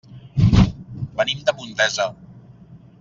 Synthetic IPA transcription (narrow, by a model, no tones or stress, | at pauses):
bənimd̪əpunt̪ɛzə